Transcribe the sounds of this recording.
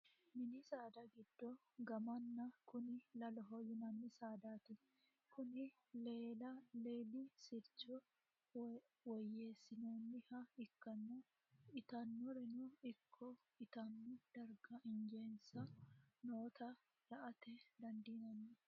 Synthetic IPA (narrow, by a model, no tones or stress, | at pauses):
mɪnɪsaːd̪ɐɡɪd̪̥ːɔ | ɡɐmɐnːɐkʊnɪlɐlɔɦɔjʊnɐnːɪsaːd̪aːt̪ɪ | kʊnɪ | leːlɐleːlisɪɾt͡ʃɔ | wɔjːeːsːɪnoːnːɪhɐɪkːɐnːɔ | ɪt̪ɐnːɔɾɪnʊɪkʰːɔ | ɪt̪ɐnːʊd̪̥ɐɾɡɐɪnd͡ʒeːnsɐnoːt̪ɐ | ɾɐʔɐt̪ɛd̪ɐnd̪iːnɐnːɪ